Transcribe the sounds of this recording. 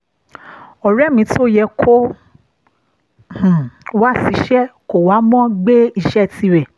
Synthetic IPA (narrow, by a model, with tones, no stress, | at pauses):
ɔ˨ɾɛ˦˨mĩ˧˦ti˦o˦jɛ˧kʰo˦ | h̩˨wa˦˨si˨˦ʃɛ˦ko˨wa˨˦mɔ̃˦ɡ͡be˦i˧ʃɛ˦˨ti˧˦ɾɛ˨